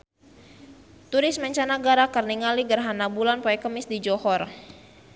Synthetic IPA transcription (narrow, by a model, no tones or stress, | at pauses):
t̪uɾɪsmɛɲt͡ʃanaɡaɾakərniŋaliɡərɦanabulanpɔɛkəmɪsdid͡ʒɔhɔr